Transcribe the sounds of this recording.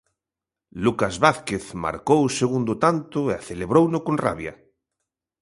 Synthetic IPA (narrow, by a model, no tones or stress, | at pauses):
lukazβaθkeθma̰ɾkowseɣund̪ʊt̪ant̪ʊeaθeleβɾownʊkonra̰βja̰